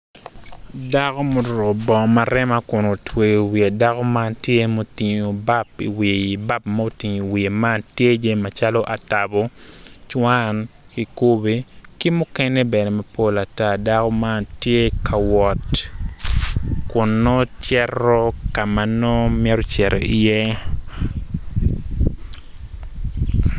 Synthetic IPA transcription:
da˦ko˦mo˨do˨bɔ˨ma˨ɾɛ˦ma˦kʊ˨no˨twe˨wi˨a˨da˦kɔ˦ma˦ntje˦mo˨ti˨ɲo˨ba˦pi˨wi˨i˨ba˦p̚ma˦o˨ti˨ɲo˨i˨wi˨e˨ma˦ntje˦d͡ʒe˦ma˨t͡ʃa˦lɔ˦ʔa˨ta˨bɔ˦t͡ʃwa˦n | ki˨ko˦be˦ki˦mʊ˦kɛ˦ne˦bɛ˨nɛ˨ma˨po˦la˨ta˦da˦kɔ˦ma˦ntje˦kʰa˨wɔ˨t | kʊ˨nːɔ˦t͡ʃɛrɔ˦ka˨ma˨no˦mjɛ˦ɾo˦t͡ʃɛ˨ɾḛ˨ʔi˨je˦

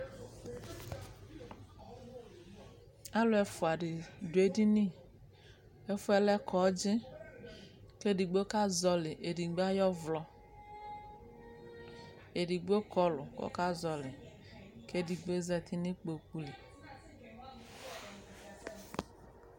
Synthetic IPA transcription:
a˦lʊ˦ɛ˨fʊ˨a˨ɖɪ˨dʊ˨e˦di˦nĩ˦ | ɛ˦fʊ˦ɛ˦lɛ˦kɔ˨˦d͡ʒɪ˦ | ke˦di˨ɡ͡bo˦ka˦zɔ˨lɪ˨ʔe˨di˨ɡ͡ba˦jɔ˦vlɔ˨ | e˨di˨ɡ͡bo˦kɔ˦lʊ˨ko̰˦ka˦zɔ˨lɪ˨ | ke˦di˨ɡ͡be˦zɛ˦˨t̪ʰi˦nɪ˦k͡po˨ku˦le˨

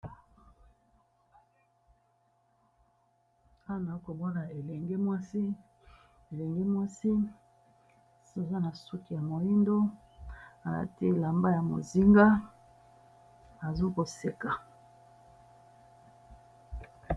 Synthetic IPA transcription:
a˦˨na˨o˦ko˨bo˦la˨e˨lɛ˨ŋɡe˦mwa˦si˦ | e˨lɛ˨ŋɡe˦mwa˦si˦ | so˨za˦na˨su˦ki˨ja˨mo˨i˦ndo˦ | a̰˨˦ti˦˨la˨mba˦ja˨mo̰˨zi˦ŋɡa˦ | a˨zo˦ko˨se˨ka˨

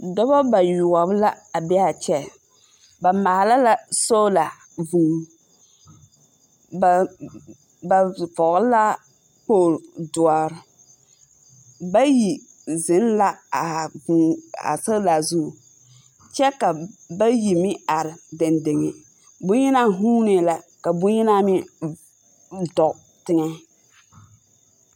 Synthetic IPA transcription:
dɔ˦ba˦ba˨jʊ˨a˨bla˦ | a˨bɛ˦a˨t͡ʃɛ˦ | ba˨ma˨la˦la˦so˦la˨ | vuː˨ | a˨ | ba˨fɔ˨ɣʊ˦la˦ | poː˦˨ldʊ˨a˨ɾɪ˨˦ | ba˦ji˨ | zɪ˨˦nla˦a˨ba̰˨sa˦la˨zu˦˨ | t͡ʃɛ˦ka˨ba˦ji˨mɪ˦a˨ɾɪ˨de˨nde˨ŋe˨ | bʊ˦i˦na˦ɦu˦nɪ˨la˨ka˨bʊ˦i˦na˦mɪ˦ | dɔ˨ | tɪ˦ŋɛ˦

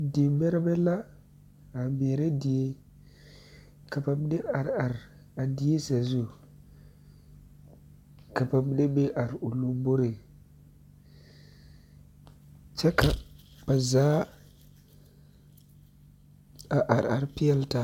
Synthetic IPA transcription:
de˨be˦ɾbe˦la˦ | a˨be˨ɾe˦di˨je˦ | ka˨pa˨m˦de˦a˨ɾa˨ɾ | a˨di˨˦e˦sa˨zu˦ | ka˨pa˨m˦de˦be˦ʔa˨ɾu˨lu˦mbo˦ɾe˨ | t͡ʃa˦ka˨ba˨za˦ | a˨ʔa˨ɾa̰˨ɾpi˦ja˦lta˨

